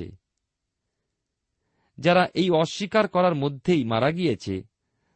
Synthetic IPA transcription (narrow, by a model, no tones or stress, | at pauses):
ḛ | d͡ʑaɾaʔejɔʃːikaɾkɔɾaɾmod̪ʱːejmaɾaɡijet͡ɕʰḛ